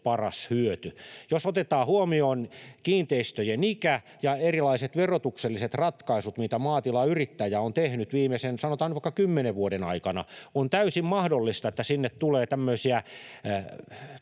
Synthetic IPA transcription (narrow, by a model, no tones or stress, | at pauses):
pɑrɑshyøt̪yjosot̪et̪ɑːhuomioːnkiːnt̪eist̪øjenikæ | jɑerilɑiset̪ʋerot̪ukselːiset̪rɑt̪kɑisut̪mit̪æmɑːt̪ilɑyrit̪ːæjæont̪ehnyt̪ʋiːmesensɑnot̪ɑːnyʋɑikːɑkymːeneʋʋuoɾenɑikɑnɑ̰ont̪æysimmɑhdolːist̪ɑet̪ːæsinːett̪uleːt̪æmːøisiæ